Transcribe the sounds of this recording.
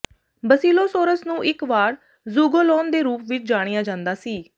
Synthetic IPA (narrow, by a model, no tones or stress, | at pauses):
bəsiːloːsoːɾəsnũːʔɪkʋaːɾ | zuːɡoːlɔːnd̪eːɾuːpʋɪt͡ʃd͡ʒaːɽ̃ijaːd͡ʒãːnd̪aːsiː